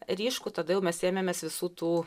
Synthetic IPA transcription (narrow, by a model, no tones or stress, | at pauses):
ɾʲiːʃkuːt̪ɐd̪ɐjɛʊmʲɛseːmʲemʲɛsʋʲɪsuːt̪uː